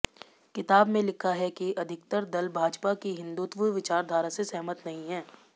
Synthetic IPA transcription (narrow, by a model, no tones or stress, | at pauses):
kɪt̪aːbmẽlɪkʰaɦɛkiʔɐd̪ʱɪk̚t̪əɾd̪ɐlbʱaːd͡ʒpakiɦɪ̃nd̪uːt̪ʋəʋɪt͡ʃaːɾd̪ʱaːɾasesɛɦmət̪nɐɦĩɦɛː